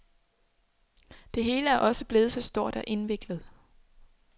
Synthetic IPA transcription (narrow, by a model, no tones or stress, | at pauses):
d̥e̝ɦe̝ːləæɐʔɒ̽səb̥le̝ːð̞̩ˠsɒ̽sd̥o̝ɐ̰d̥ɒʔe̝nʋe̝ɡ̥lð̩ˠ